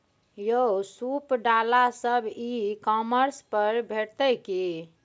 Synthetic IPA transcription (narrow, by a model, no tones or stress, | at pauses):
josupɖalasəbʱikɔməɾspəɾbʱeʈt̪əki